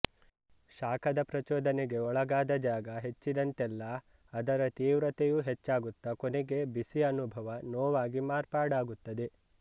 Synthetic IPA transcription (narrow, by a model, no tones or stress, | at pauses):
ʃaːkʰɐd̪ɐpɾɐt͡ʃɔːd̪ɐneɡe̞ɔɭɐɡaːd̪ɐd͡ʒaːɡɐɦe̞t͡ʃːid̪ɐnt̪ɛlːɐː | d̪ɐɾɐt̪iːʋɾɐt̪ejuːɦet͡ʃːaːɡut̪ːɐkoneɡe̞bisiɐnubʱɐʋɐnɔːʋaːɡimaːɾpaːɽaːɡut̪ːɐd̪e̞